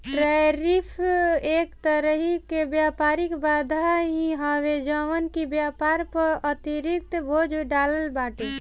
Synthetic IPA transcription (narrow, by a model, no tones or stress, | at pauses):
ʈɾaɾipʰekt̪əɾəɦikebjapaɾikbad̪ʱaɦĩɦɔʋed͡ʒəʋənkibjapaɾpəɾət̪iɾik̚t̪bʱod͡ʒʱɖaːləlbaʈe